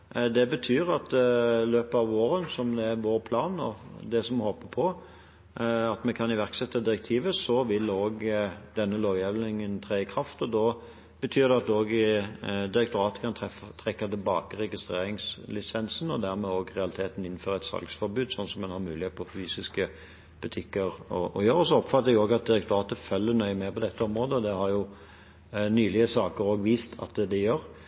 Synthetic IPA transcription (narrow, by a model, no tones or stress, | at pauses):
d̪ɛbət̪ʰyːɾɑt̪ɪløːpəɑʋoːɾənsɔmd̪ɛːʁʋoːɾpʰlɑːnɔ̰d̪ɛsɔmhɔpəpʰɔ | ɑt̪mɛnkʰɑnɪʋæʁksɛt̪ːɑd̪ɪɾɛk̚t̪ʰiːʋəsɔʋɪloːɡd̪ɛnːəloːʋjɛʋnɪŋənt̪ʰʁeːɪkʰɾɑft̪ɔd̪ɔ | bət̪ʰyːɾd̪ɛɑt̪oːɡ | d̪ɪɾɛk̚t̪ʊɾɑːt̪ə̥kʰɑnɛt̪ʰɾɛkːɑt̪ɪlbɑːkəʁɛɡɪst̪ɾeːɾɪŋslɪsɛnsn̩ɔd̪æʁmɛoːɡʁɛɑlɪt̪ʰeːt̪n̩ɪn̩ːføːʁəɛt̪sɑ̰lɡsfɔɾbʉːd̪sɔnːsɔmːɛnhɑɾmʉːlɪheːt̪əpʰɔfyːsɪskə | b̥ʉt̪ʰɪkːəɾɔʔɔ̰jøːɾəɔsɔɔpfɑt̪ːəjɪoːɡɑt̪̚d̪ɪɾɛk̚t̪ʊɑːt̪əfœlːənœʏmɛpɔd̪ɛt̪ːəɔmʁoːd̪əɔd̪ɛhɑɾjʊ | nyːlɪəsɑːkəɾoːɡʋiːst̪ʰɑ̰t̪̚ɛd̪ɛjøːʁ